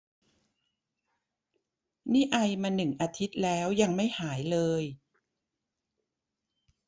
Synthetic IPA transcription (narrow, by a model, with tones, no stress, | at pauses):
niː˥˩ʔa˧jmaː˧nɯ˨˩ŋʔaː˧t̪ʰi˦˥t̪̚lɛː˦˥wja˧ŋma˥˩jhaː˩˦jlɤː˧j